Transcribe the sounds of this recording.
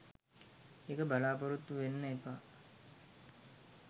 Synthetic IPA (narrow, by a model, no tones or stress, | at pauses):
ekəbalaːpoɾut̪ːuʋenːəepa